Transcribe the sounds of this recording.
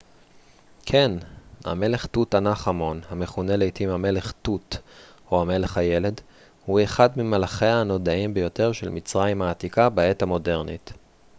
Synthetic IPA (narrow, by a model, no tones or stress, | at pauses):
kʰe̞nha̰me̞le̞χtutanaχamo̞nhameχune̞lejtimhamele̞χt̪ut | o̞hame̞le̞χhaje̞le̞d | hueχadmimalaχe̞aano̞daimbejo̞te̞ʁʃelmit͡sʁajimhaːt̪ikabae̞tamo̞de̞ʁnit